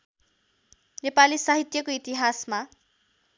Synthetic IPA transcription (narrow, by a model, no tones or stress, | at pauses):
nepalisaɦit̪jʌkoit̪iɦasma